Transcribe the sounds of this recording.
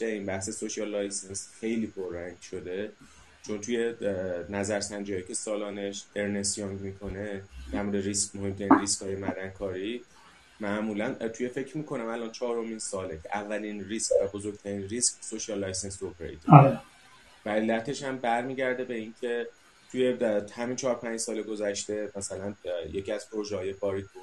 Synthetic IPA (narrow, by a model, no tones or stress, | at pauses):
eiːnbæhsesoʃiɒlːɒjsensxe̞jliːpʰoɾːæŋɡʃo̞d̪e̞ | t͡ʃʰo̞nt̪ʰuje̞næzæɾsænd͡ʒihɒːjicʰe̞sɒːlɒːne̞ʃe̞ɾne̞sjɒŋɡmiːkʰo̞ne̞d̪̥æɾmuːd̪eɾismohemt̪ʰæɾinriskhɒːjemæd̪ænkʰɒːɾi | mæʔmuːlænt̪ʰuje̞fe̞cʰɾmiːkʰo̞næmælɒːnt͡ʃʰɒːɾo̞minsɒːlecʰeʔævːælinriscvæbo̞zo̞ɾɡ̚t̪ʰæɾiːnriːsksoʃiɒlːɒjsensopʰeɾḛjt̪ʰe | væɾilːæt̪ʰe̞ʃhæmbæɾmiːɟæɾd̪e̞be̞incʰe̞ | t̪ʰujehæmiːnt͡ʃʰɒːɾpʰænd͡ʒsɒːleɡo̞zæʃt̪e̞mæsælænje̞ciæz̥pʰoɾo̞ʒehɒːje̞bɒːɾid̪̚bud̪